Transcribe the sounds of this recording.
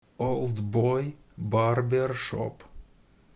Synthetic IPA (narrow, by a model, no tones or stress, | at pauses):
olˠd̪boj | bɑrberʃɔ̰p